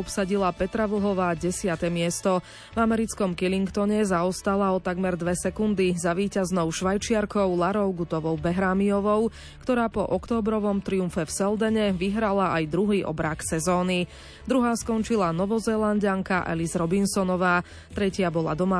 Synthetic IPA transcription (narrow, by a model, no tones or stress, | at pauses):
ɔpsaɟilˠapɛt̪ɾaʋl̩ɦɔʋaːɟɛsɪat̪ɛmɪɛst̪ɔ | vamɛɾit͡skɔmkɛliŋkt̪ɔɲɛzaɔst̪alaɔt̪aɡmɛɾd̪ʋɛsɛkund̪izaʋiːcaznɔʊʃʋajt͡ʃɪaɾkɔʊlaɾɔʊɡut̪ɔʋɔʊbɛɦɾaːmiɔʋɔʊ | kt̪ɔɾaːpɔʔɔkt̪ɔːbɾɔʋɔmt̪ɾiumfɛfsɛld̪ɛɲɛʋiɦɾalaajd̪ɾuɦiːʔɔ̰bɾaksɛzɔːni | d̪ɾuɦaːskɔnt͡ʃilanɔʋɔzɛːlˠanɟaŋkaʔɛ̰lizɾɔbinsɔnɔʋaː | t̪ɾɛcɪabɔlˠa̰d̪ɔma